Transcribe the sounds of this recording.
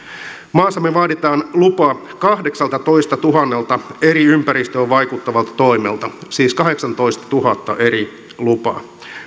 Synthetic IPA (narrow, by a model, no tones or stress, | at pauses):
mɑːsɑmːeʋɑːdit̪ɑːnlupɑː | kɑhde̞ksɑlt̪ɑt̪o̞ist̪ɑt̪uɦɑnːelt̪ɑeɾiympæɾist̪øːʋʋɑjkut̪ːɑʋɑlt̪ɑ̥t̪o̞imelt̪ɑsiːskɑɦe̞ksɑnt̪o̞ist̪ɑ̥t̪uɦɑt̪ːɑʔe̞ɾi | lupɑ̰ː